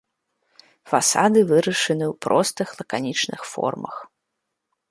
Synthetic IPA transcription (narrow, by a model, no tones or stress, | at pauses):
fasad̪ɨvɨɾɐʂɨnɨwpɾɔst̪ɨxlˠɐkanʲit͡ʂnɨxfɔ̰rmɐ̰x